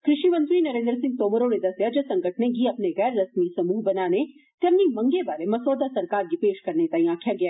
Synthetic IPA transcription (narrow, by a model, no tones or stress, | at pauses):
kɾɪʃiʋɐ̃nt̪ʋinɐɾẽːnd̪ɾəsɪ̃ŋɡ̚t̪oːməɾoned̪ɐsjad͡ʒɐsɐ̃ŋɡʱəʈʰnekiɐpneɣɛːɾːɐsmisɐmuːɦbɐnaːnet̪ɐmnimɐ̃ŋɡeʋaːlemɐsoːd̪asɐɾkaːɾɡipeːʃkɐɾnet̪aĩaːkʰijaɡɐjaː